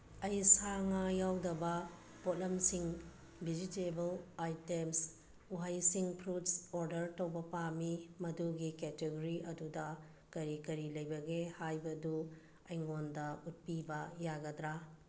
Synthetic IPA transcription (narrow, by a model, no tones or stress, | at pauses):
ɐjsaŋajawdɐbɐ | potlɐmsiŋ | bid͡ʒitebɐlajtems | uɦajsiŋpʰɾutsoɾdɐɾtɐwbɐpamimɐduɡiketeɡoɾiʔɐdudɐ | kɐɾikɐɾilɐjbɐɡehajbɐdu | ɐjŋondɐut̚pibɐjaɡɐdɾa